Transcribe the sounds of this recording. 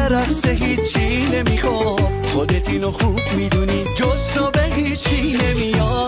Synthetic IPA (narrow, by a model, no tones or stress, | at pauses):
eɾɒɾseɦiːt͡ʃʰːine̞mixo | xod̪et̪ʰinoxub̥mid̪unid͡ʒozd̪obeɦiːt͡ʃʰine̞mijɔ